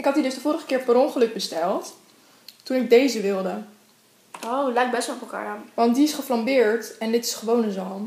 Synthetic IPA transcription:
ɪkɦɑt̚didɵsdəvʊːɾəχəkɪːɹpəɾɔnχəlɵɡ̚bəstɛlˠt | tunɪɡ̚dejzəʋɪlˠdə | owlɛjk̚bɛsʋɔlˠɔplˠka̰ːɹamʋɑntdiɪsχəflɑmbɪːɹtɛndɪtɪ̥sχəʋownənzɔlˠm

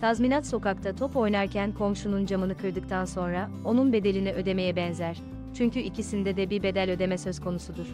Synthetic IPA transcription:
t̪ʰazminat̪so̞kak̚t̪ʰat̪ʰo̞po̞jnaɾcʰænkʰo̞mʃunund͡ʒamɯnɯkʰɯɾd̪ɯk̚t̪ʰanso̞nɾa | o̞nunbe̞d̪e̞lʲiniʔø̞d̪e̞me̞jɛbɛnzæɾ̥ | t͡ʃʰyɲcyʔicisind̪ɛd̪ɛbiɾbe̞d̪ælʲø̞d̪e̞mɛsø̞zkʰo̞nusud̪uɾ̥

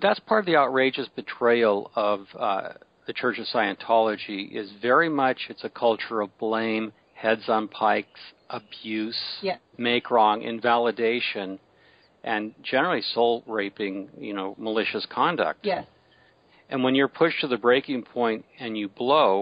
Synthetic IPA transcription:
ðætspʰɑɹɾʌvðiaʊt̚ɹeɪd͡ʒɨsb̥ɨtʰɹ̥eɪl̩ˠʌv | ðɨt͡ʃʰɜ˞t͡ʃʌv̥saɪɨ̃ntʰɑlˠəd͡ʒiʔɪ̰zvɛɹimʌt͡ʃɨtsɨkʰʌlˠt͡ʃə˞ʌvblẽɪ̃m | hɛdz̃n̩pʰaɪksʔəbjʉs | meɪkʰɹɔ̃ŋʔɪ̰̃ɱvælˠədeɪʃɨ̃n | ʔɨ̃nd͡ʒɛnə˞l̩ˠisoʊlˠɹeɪpɪ̃ŋjɨ̰noʊməlɪʃɨskʰɑ̃ndɨ̰k̚t | ʔɨ̃nwə̃njə˞pʰʊʃtʰɨðɨbɹeɪkɪ̃ŋpʰɔ̃ɪ̃ntɨ̃njɨbloʊ

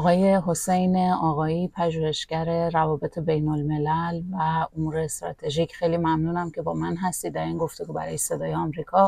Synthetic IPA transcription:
ɣɒːje̞ɦo̞sejneɒːɣɒːiːpʰæʒuːhe̞ʃɟæɾe̞ɾævɒːbe̞t̪ʰe̞be̞jnolme̞lælvæomuːɾeːst̪ɾɒ̰ːt̪ʰe̞ʒiːcʰxe̞jliːmæmnuːnæmcʰe̞bɒːmænɦæst̪iːd̪ːæɾiːnɡo̞ft̪e̞ɡuːbæ̰ɾɒ̰ːjese̞d̪ɒːjeɒmɾiːkʰɒː

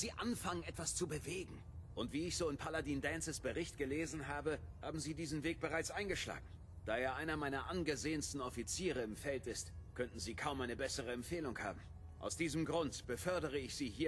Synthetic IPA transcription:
z̥iːʔanfaŋənʔɛtv̥ast͡subəveːɡŋ̩ | ʔʊntv̥iːɪçz̥oːɪnpʰaladiːndɛnsəsb̥əʁɪçt̚ɡ̥əleːzn̩ɦaːbəha̰ːbm̩ziːdiːzn̩veːk̚b̥əʁaɪt͡sʔaɪnɡəʃla̰ːɡŋ̩ | d̥aːjaːʔaɪnɐmaɪnɐʔanɡəzeːənstn̩ɔfit͡siːʁ̞əɪmfɛltɪstkʰœntn̩ziːkʰaʊmʔaɪnəbɛsəʁ̞əɛmfeːlʊŋha̰ːbm̩ | ʔa̰ʊsd̥iːzəmɡʁʊntb̥əfœɐdəʁ̞əɪçz̥iːɦiːɐ

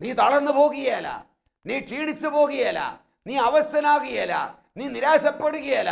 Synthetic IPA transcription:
niːt̪ɐɭɐnːɨpo̞ːɣiɣɐjala̰ː | niːʈiːɳit͡ɕːɨpo̞ːɣɐjala̰ː | niːɐʋɐɕɐnaːɣijɐla̰ː | niːniɾaːɕɐpːeɽuɣɐjalaː

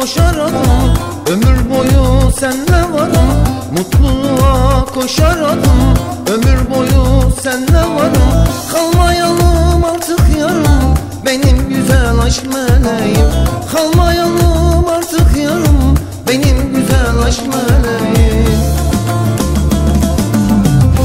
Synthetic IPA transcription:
koʃaɾad̪ˠɯm | ø̞myɾbo̞jusænlɛvad̪ɯmː | ut̪lˠulˠuakʰo̞ʃaɾad̪ˠɯm | ø̞myɾbo̞jusænlævaɾɯmkʰalˠmajalˠɯmaɾt̪ʰɯkʰjaɾɯm | be̞nimɟyzælʲlʲaʃmalajimkʰalˠmajalˠɯmaɾt̪ʰɯkʰjaɾɯm | be̞nimɟyzælʲlʲaʃmaleji

